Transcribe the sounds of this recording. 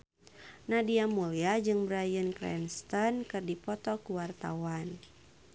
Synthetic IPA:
nadiamuliad͡ʒɨŋbɾajənkɾɛ̰nst̪ɔnkɨrdipɔt̪ɔkuwart̪a̰wan

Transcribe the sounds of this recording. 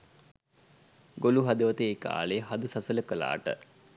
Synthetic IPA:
ɡoluɦɐd̪əʋɐt̪eːka̰ːleɦad̪əsasələkəla̰ːʈə̰

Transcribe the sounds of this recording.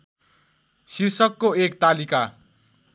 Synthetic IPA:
sirsʌkːoekt̪alika

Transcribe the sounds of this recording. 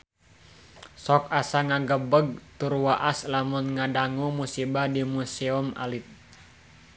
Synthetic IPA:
sɔk̚asaŋaɡəbəɡ̚t̪urwaʔaslamunŋadaŋumusibahdimuseumʔa̰lit̪̚

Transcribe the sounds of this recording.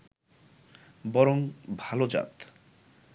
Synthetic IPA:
bɔɾoŋbʱalod͡ʑa̰t̪

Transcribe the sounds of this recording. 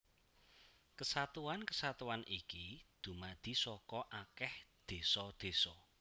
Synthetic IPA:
kəsat̪uwankəsat̪uwanikid̪̥ṳmad̪̥i̤sɔkɔʔakɛhd̪̥e̤sɔd̪̥e̤sɔ

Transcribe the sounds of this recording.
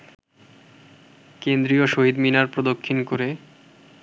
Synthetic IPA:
kend̪ɾijoʃoɦid̪minaɾpɾod̪okʰːinkoɾe

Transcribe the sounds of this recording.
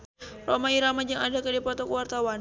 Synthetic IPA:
romaiɾamad͡ʒaŋadakədipɔt̪ɔkəwart̪awan

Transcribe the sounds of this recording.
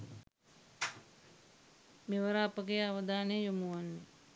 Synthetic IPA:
meʋəɾapəɡejaʋəd̪aːnejomuʋanːe

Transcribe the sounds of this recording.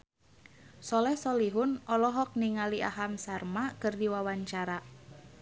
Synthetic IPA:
sɔlɛhsɔliɦʊnɔlɔɦɔk̚niŋalia̰ɦamsarmakɨrdiwawaɲt͡ʃaɾa

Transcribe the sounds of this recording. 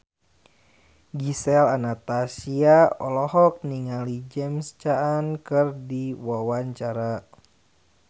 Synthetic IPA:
ɡisɛlanat̪asiaɔ̰lɔhɔk̚niŋalid͡ʒɛmst͡ʃaankɨrdiwawaɲt͡ʃaɾa

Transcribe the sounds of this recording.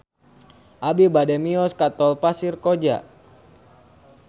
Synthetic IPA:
ʔabibadɛmiɔskat̪ɔlpasirkɔd͡ʒa̰

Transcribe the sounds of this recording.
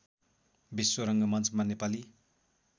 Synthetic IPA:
biswoɾʌŋɡʌmʌnt͡smanepali

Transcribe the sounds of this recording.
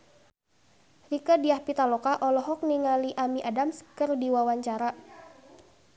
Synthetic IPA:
rikədiahpit̪alɔkaʔɔlɔɦɔk̚niŋaliʔamiʔadamskɨrdiwawaɲt͡ʃaɾa

